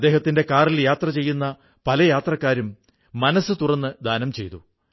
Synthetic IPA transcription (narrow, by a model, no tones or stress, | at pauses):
d̪ːe̞ːɦɐt̪ːinde̞kaːriljaːt̪rɐt͡ɕe̞jːunːɐ | pɐlɐjaːt̪rɐkːaːɾumː | ɐnɐsːɨt̪urɐnːɨd̪aːnɐmt͡ɕe̞jt̪u